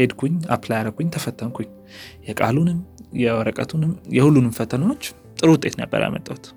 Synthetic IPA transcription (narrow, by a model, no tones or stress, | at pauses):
ed̪kʷʰuɲːa̰pʰlajɾəkʰʷuɲt̪ʰəfət̪ʰːəmkʰuɲː | jɛkʼalunɨmjɛwɔɾəkʼət̪ʰunɨmjɛhulːunɨmfət̪ʰənəwot͡ʃː | t̪ʼɨɾʊt̪ʼːe̞t̪na̰bːə̰ɾa̰mət̪ʼːawt̪